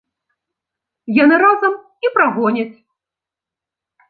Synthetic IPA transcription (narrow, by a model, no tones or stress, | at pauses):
janɨɾazɐm | ipɾaɣɔnʲɐt͡sʲ